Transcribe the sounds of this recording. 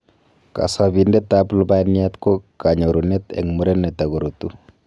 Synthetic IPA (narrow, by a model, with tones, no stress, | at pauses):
ka̰˨sa˨bindɛ˦t̪ːa˦plu˦ba˦ni˦a˦t̪ko˦ka˨ɲo˨ɾu˨nɛ˦t̪ɛ̰˨ŋmu˦ɾɛ˦nːɛ˨t̪a˨ɡo˨ɾot̪u˦